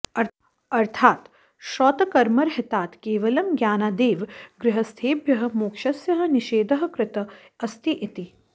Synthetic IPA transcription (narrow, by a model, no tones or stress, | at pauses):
ɐ | ɐɾt̪ʰaːt̪ | ʃɔːt̪ɐkɐɾmɐɾɦɪt̪aːt̪keːʋɐlɐmɡjaːnaːd̪eːʋɡɾɪɦɐst̪ʰeːbjɐɦɐ̆moːkʃɐsjɐɦɐ̆niʃeːd̪ɐɦɐ̆kɾɪt̪ɐ | ɐst̪ʰiʔit̪i